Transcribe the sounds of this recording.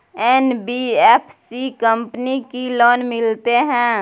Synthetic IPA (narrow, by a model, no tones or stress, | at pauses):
ɛnbieːpʰsikəmpnikiloːnmɪlt̪eɦɛ̃ː